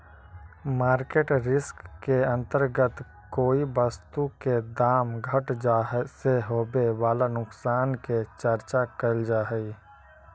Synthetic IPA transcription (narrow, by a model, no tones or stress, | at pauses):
maːɾkeːʈɾɪskːeə̃nt̪əɾɡət̪ | koːibəst̪uked̪aːmɡʱəʈd͡ʒaːɦseɦoːbeʋaːlanʊksaːnket͡ʃəɾt͡ʃakəld͡ʒaːɦɛi